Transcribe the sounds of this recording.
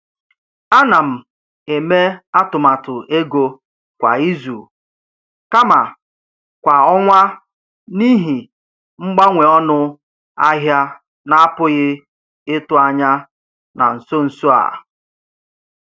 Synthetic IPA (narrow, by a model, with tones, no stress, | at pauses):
a˦na˨m̩˨ | e˨me˦a˦tʊ˨ma˨tʊ˨ʔe˦ɡo˦ | kʷa̰˨i˦zu˨ | ka˦ma˨ | kʷa˨ɔ˦ŋʷa˦ | ni˦ɦi˨ | ŋ͡m̩˦ɡ͡ba˦ŋʷe˨ɔ˦nʊ˦ | a˦ɦja˦ | na˦a˦pʊ˦ɣɪ˦ | ɪ˦tʊ˨a˨ɲa˦ | na̰˨n̩˨so˦n̩˨so˦a̰˨